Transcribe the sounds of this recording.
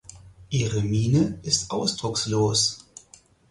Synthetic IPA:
ʔiːʁəmiːnəʔɪstʔaʊsd̥ʁʊksloːs

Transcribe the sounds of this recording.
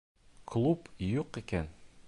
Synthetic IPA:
klˠupjuqikæn

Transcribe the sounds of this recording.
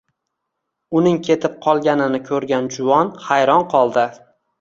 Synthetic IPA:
ʊnɪŋkʲʰe̞t̪ʰɪp̚qʰɒlˠɡʲanɪnɪkʰɵɾɡʲand͡ʒʊvɒnhajɾɒnqʰɒlˠd̪ɪ

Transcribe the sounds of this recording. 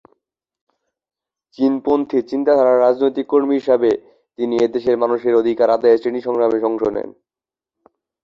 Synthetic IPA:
t͡ɕinpont̪ʰit͡ɕint̪at̪ʰaɾaɾɾad͡ʑnojt̪ikːoɾmiɦiʃabe | t̪inied̪eʃeɾmanuʃeɾod̪ʱikaɾad̪aet͡ɕeniʃɔŋʃameʃɔŋʃonḛn

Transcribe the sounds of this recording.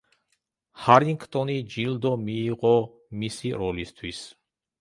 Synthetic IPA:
haɾiŋɡt̪ʼɔnid͡ʒild̪ɔmiːʁɔ | misiɾɔlist̪ʰwis

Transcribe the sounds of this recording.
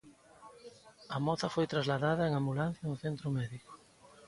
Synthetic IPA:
ɐmɔθɐfojt̪ɾazlaðaðɐeŋambulan̟θjɐnʊθent̪ɾʊmɛðikʊ̥

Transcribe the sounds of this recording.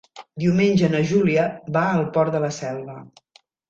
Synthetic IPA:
d̪iumenʲʒənəʒuliəβaəlˠpɔɾd̪ələsɛlˠβə

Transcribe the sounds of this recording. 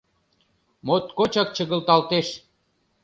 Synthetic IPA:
mot̪kot͡ɕɑk̚t͡ɕəɣə̆lt̪ɑlt̪eʃ

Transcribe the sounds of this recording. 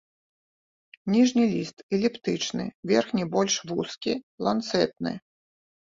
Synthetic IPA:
nʲiʐnʲilʲist̪ɛlʲɛpt̪ɨt͡ʂnɨ̰vʲɛrxnʲibɔlʲʂvuskʲilˠant̪sɛt̪̚nɨ̰

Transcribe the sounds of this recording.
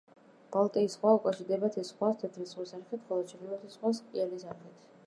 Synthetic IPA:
b̥alˠt̪ʼɛisχwaukʼaʃiɾd̪ɛbat̪ʰɛsχwast̪ʰɛt̪ʰlisχwisaɾχɛt̪ʰχɔlˠɔd̪̚t͡ʃʰɛχilɛt̪ʰisχwasʼialisaɾχɛt̪ʰ

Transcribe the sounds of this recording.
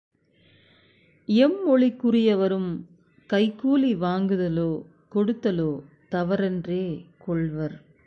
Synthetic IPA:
ɪɛmːɔɭikːʊrɪjɐʋɐɾɯm | kɐɪkːuːliʋaːŋɡɯðɐloː | kɔɽɯt̪ːɐloː | t̪ɐʋɐɾɛndreːkɔɭʋɐɾ

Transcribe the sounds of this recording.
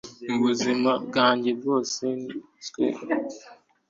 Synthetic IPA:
m̩buzimaɡaɲd͡ʒeboseni | skṵːl

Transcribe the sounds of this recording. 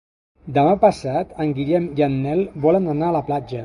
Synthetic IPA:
d̪əmapəsat̪əŋɡiʎɛmjəmːɛlˠbɔlənənaələplad͡ʒə

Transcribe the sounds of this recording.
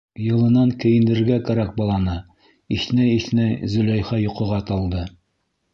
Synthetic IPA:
jɤ̆lˠɤ̆nɑŋkɘ̆jɘ̆nd̪ɘ̆ɾɡækæɾæk̚bɒlˠɑnɤ | iθnæiθnæzɵ̆læjχɑjŏqɤ̆ʁɑt̪ɑlˠd̪ɤ

